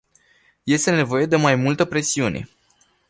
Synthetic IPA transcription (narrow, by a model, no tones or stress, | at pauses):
je̞st̪e̞ne̞vo̞je̞d̪e̞majmult̪əpɾe̞siunʔe̞̰